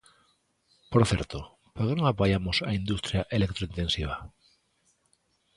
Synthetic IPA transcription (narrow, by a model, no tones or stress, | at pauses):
poɾθjeɾt̪o | poɾkenoŋapajamosaind̪ust̪ɾjaʔelek̚t̪ɾoint̪ẽ̞nsiβ̞a